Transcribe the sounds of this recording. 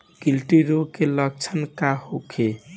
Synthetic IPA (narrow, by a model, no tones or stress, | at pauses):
kilʈiɾokelʌɡ̚t͡ʃʰənkahokʰe